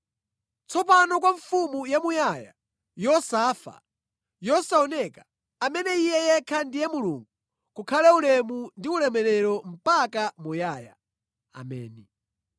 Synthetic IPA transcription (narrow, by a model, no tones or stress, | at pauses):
t͡sɔpanɔkwaɱfumujamujaja̰ | jɔsafa̰ | jɔsaɔnɛkḁ | amɛnɛijɛjɛkʰandijɛmulṵːŋɡu | kukʰalɛulɛmundiulɛmɛɾɛɾɔm̩pakamujaːja̰ | a̰mɛ̰ːni